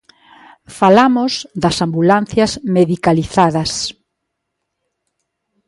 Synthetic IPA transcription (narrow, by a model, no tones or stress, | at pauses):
falamʊzðɐsambulanθjɐzmeðikaliθaðɐs